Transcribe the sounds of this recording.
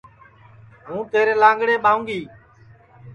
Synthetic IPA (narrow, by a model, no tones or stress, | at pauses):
ɦũːt̪eːɾeːlãːŋɡɽeːɓaːũːŋɡiː